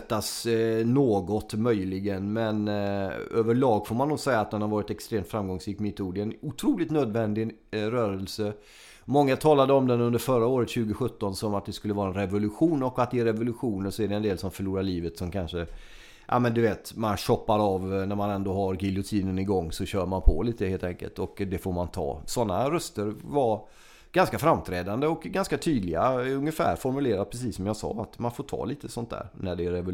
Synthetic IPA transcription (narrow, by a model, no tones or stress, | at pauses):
t̪ːasnoːɡɔt̪mœjlɪɡənmɛn | øːvəɭɑːɡfomanːʊːɡsɛjːaːt̪̚d̪ɛnhaɾvɑːɾɪt̪ɛkst̪ɾeːmt̪fɾamɡɔŋsɾiːkmɛɪt̪ʰuːɖɛɛnʊt̪ʰɾuːlɪɡt̪nøːd̪vɛnd̪ɪɾœːɾəlsə | mɔŋːat̪ʰɑːlad̪əɔmd̪ɛnɵnd̪əɾfœɾaoːɾət̪ɕʉ̟ːɡəɧɵt̪ːɔnsɔmat̪̚d̪ɛskɵlːəvɑːɾaɛnɾɛvʊlɵɧuːnɔkat̪̚d̪ɛɾɛvʊlɵɧuːnəsɔæɖɛɛnd̪eːlsɔmfœɭuːɾaɭiːvət̪sɔmkʰanʂə | ʔa̰mɛnd̪ɵveːt̪manɕɔpːaɾɑvnæɾmanɛnd̪oːɦaɾɡɪlʊt̪ʰiːnənɪɡɔŋːsɔɕœːɾmanpʰɔ̰liːt̪əheːlt̪ɛŋkə̰lt̪ɔkd̪ɛfoɾmant̪ʰɑ̰ːsɔnːaɾœst̪əɾva | ɡ̥anskafɾamːt̪ʰɾɛːd̪and̪əɔkɡanskat̪ʰyːd̪lɪɡa̰ɵŋːəfæ̰ːɾfɔɾmɵleːɾad̪̚pʰɾɛs̬iːsːɔmjɑsɑ̰ːat̪manfoʈʰɑ̰ːliːt̪əsɔnt̪d̪æ̰ːɾnæɖɛæɾɛvʊ